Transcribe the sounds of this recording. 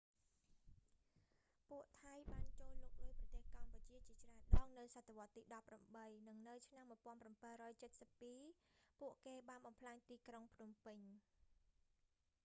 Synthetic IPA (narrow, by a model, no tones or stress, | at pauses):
puəʔt̪ʰajɓaːnt͡ɕoːlːuːk̚lɨprɑt̪eːhkamput͡ɕiət͡ɕiət͡ɕraənɗɑːŋnɨwsat̪ʰːeʋŏət̪ːiːɗɑpːramɓəjnɨŋnɨwt͡ɕʰnamːuəjpŏənprampəɾɔːjt͡ɕət̪̚səpːiːpuəʔkeːɓaːnɓɑmpʰlaːɲt̪iːkroŋpʰnumpɨɲ